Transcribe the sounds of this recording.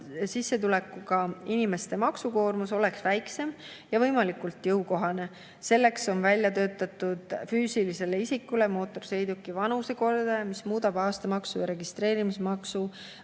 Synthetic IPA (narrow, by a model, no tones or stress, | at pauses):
sisːet̪̬ule̞kːˑuɡɑinime̞st̪e̞mɑksuko̞ːrmuso̞le̞ksvæjkse̞m | jɑvɤjmɑlikult̪ːjɤwko̞ɦɑne̞ | se̞lːe̞kso̞nvælʲjɑt̪ø̞ːt̪ːˑɑt̪ːˑud̪̥fyːsilise̞le̞isikːˑule̞mo̞ːt̪ːˑo̞rse̞jd̪ukːˑivɑnuseko̞rd̪̥ɑjɑmismuːd̪̥ɑbɑːst̪ɑmɑksujɾe̞ɡ̥ist̪ɾe̞ːɾimismɑksu